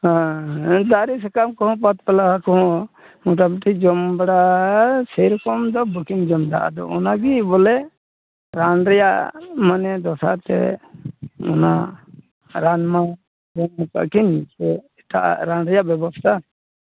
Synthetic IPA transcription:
hãd̪aɾisɛkamkɔɦɔ̃pat̪̚pɛlaakɔɦɔ̃ | mɔʈ̬apʈʰid͡ʒɔmbaɽasɛjɾɔkɔmd̪ɔbukind͡ʒɔmd̪a̰ʔa̰d̪ɔ̰ɔnaɡibɔlɛ | ɾanɾɛjaʔmanɛd̪ɔsa̰t̪ɛ̰ | ɔ̰na | ɾanma | d͡ʒɔmɔka̰ʔkind͡ʒɛɛʈa̰ʔa̰ʔɾanɾɛjaʔbjɛbɔst̪ʰa

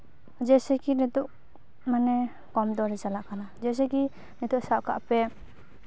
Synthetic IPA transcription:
d͡ʒɛsɛkinit̪uʔ | manɛ | kɔmd̪ɔɾɛd͡ʒalaʔkanad͡ʒɛs̬ɛki | nit̪uʔsaka̰ʔpɛ

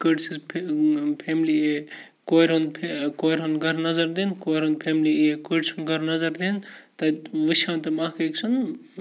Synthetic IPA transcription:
kəɖsizpʰpʰeːmli | koːɾɦund̪pʰkoːɾɦunɡɐɾnɐzɐɾd̪eːnkoːɾɦũnd̪̚pʰeːmliekəɖsunɡɐɾnɐzɐɾd̪eːnt̪ɐʋɨʃãːnt̪ɐmaːkeksʰun

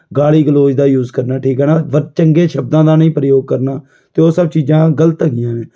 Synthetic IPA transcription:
ɡaːliːɡəloːd͡ʒd̪aːjuːzkəɾnaːʈʰiːkɦɛːnaːʋət͡ʃəŋɡeːʃəb̚d̪ãːd̪aːnəĩːpɾəjoːɡ̚kəɾnaː | t̪eːoːsəb̚t͡ʃiːd͡ʒãːɡələt̪əɡɪjãːʋẽː

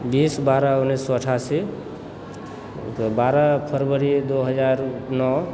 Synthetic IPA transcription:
biːsbaɾaunːisːɔəʈʰasi | baɾapʰəɾbəɾid̪oɦəd͡ʒaɾnɔ

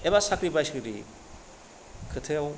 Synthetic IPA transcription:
ebasakɾipajsɡɯɾḭ | kʰɯt̪ʰew

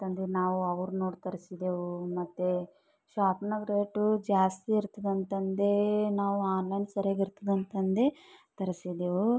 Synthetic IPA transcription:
t̪ɐnd̪enaːʋuɐʋɐɾunoːɖt̪ɐɾisid̪eːʋumɐt̪ːe | ʃaːpnɐɡɾeːʈud͡ʒaːst̪iːɾt̪ɐd̪ɐnt̪ɐnd̪enaːʋuaːnlɐjnsɐɾaːɡiɾt̪ɐd̪ɐnt̪ɐnd̪et̪ɐɾisid̪eːʋu

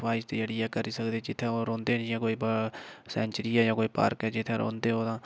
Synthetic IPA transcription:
ʋaːɪʃt̪eːd͡ʒəɽiːɛːkəɾiːsəkd̪eːt͡ʃɪt̪ʰːẽːoːɾõːnd̪eːnd͡ʒiɛ̃ːkoːiːbsɛ̃ːɲt͡ʃəɾiːɛːjãːkoːiːpa̰ːɾkɛːt͡ʃɪt̪ʰːẽːɾʔõ̰ːnd̪eːɦoːd̪ãː

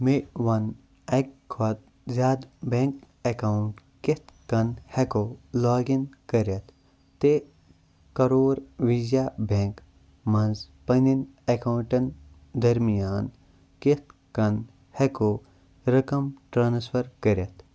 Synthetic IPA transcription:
meʋɐn | ɐkʰːɐt̪̚ | zaːd̪bẽŋk | ekawuɳʈ | ket̪kɐnhekolɔːɡinkɐɾɐt̪ʰ | t̪ːe | kɐɾoːɾʋid͡ʒjabẽŋk | mɐnz | pɐninekawɳʈɐn | d̪ɐɾmijaːn | ket̪̚kɐn | heko | ɾɐkɐmʈɾaːnspʰɐɾkɐɾɐt̪ʰ

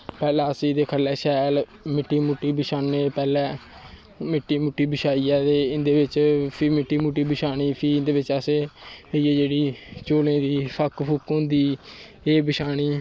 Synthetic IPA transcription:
pɛːlɛːəsiːd̪eːkʰəlɛːʃɛːl | mɪʈːiːmʊʈːiːbɪʃaːnːeːpɛːlɛ̃ː | mɪʈːiːmʊʈːiːbɪʃaːiːɛːt̪eːɪnd̪eːʋɪt͡ʃpʰɪɾmɪʈːiːmuʈːiːbɪʃaːɽ̃iːpʰiːɪnd̪eːʋɪt͡ʃəseːieːd͡ʒeːɽiːt͡ʃoːlẽːd̪iːpʰəkpʰʊkõnd̪iː | eːbɪʃaːɽ̃iː

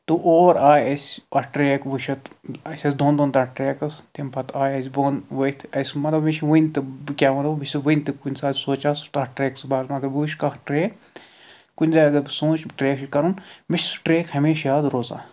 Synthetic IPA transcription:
t̪uʔoːɾaːjɐsʲɐʈɾeːkʋuʃɐt̪ɐsʲɐsʲd̪oːnd̪oːnt̪ɐʈɾeːkɐst̪impʰɐt̪aːjɐsʲboːnʋɐt̪ʰɐsʲmɐt̪ɐbmiʃiʋunʲt̪ɨkʲaːmɐlɐmisʲiʋɨjnʲt̪ɨkunʲsaːzʲsoːt͡ʃaːst̪ɐʈɾeːksbaːɾɐɡɐɾʋuʃʲkɐhʈɾeːk | kunʲzaːɐɡɐɾbsoːt͡ʃʈɾeːkʃikɐɾunmiʃsʈɾeːkhɐmeːʃaːd̪ɾoːza̰ː

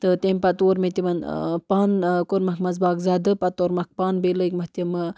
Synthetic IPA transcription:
t̪ɨt̪emʲpɐt̪oːɾmet̪imɐn̰paːnkoɾmɐkʰmɐzbaːkzad̪ɨpɐt̪oːɾmɐk̚paːnbeləikmɐht̪imɨ

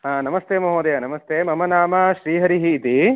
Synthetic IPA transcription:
ɦaːnɐmɐst̪eːmɐɦoːd̪ejɐnɐmɐst̪eːmɐmɐnaːmaʃɾiːɦɐɾiɦiːt̪i

